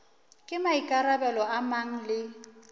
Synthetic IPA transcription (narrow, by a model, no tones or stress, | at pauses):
kʼɪmaikʼarabɛlɔamaŋ̩lɪ